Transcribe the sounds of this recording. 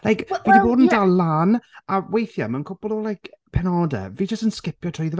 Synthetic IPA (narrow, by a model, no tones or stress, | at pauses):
lajkvidiboːdən̩dalˠanawejθja̰mənkʰʊpɔlˠolˠajkʰpʰɛnɔdə̰viːd͡ʒəstənskɪpʰjɔtʰrɔjðəv